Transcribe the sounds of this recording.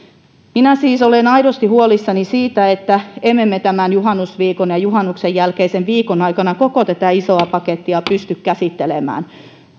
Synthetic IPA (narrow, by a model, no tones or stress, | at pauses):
minæsiːsolenɑiɾost̪ihuolisːɑnisiːt̪æet̪ːæemːemːet̪æmænjuɦɑnːusʋiːkonjɑjuɦɑnːuksejjælkeisenʋiːkonɑikɑnɑkokot̪æt̪æisoɑpɑket̪ːiɑpyst̪ykkæsit̪ːelemæ̰ːn